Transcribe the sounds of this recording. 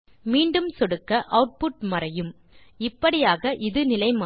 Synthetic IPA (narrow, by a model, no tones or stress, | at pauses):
miːɳɖɯmsɔɽɯkːɐʔɐʊʈ̚pʊʈ̚mɐrɐjɯm | ɪpːɐɽɪjaːɣɐʔɪðɯnɪlɐɪmaː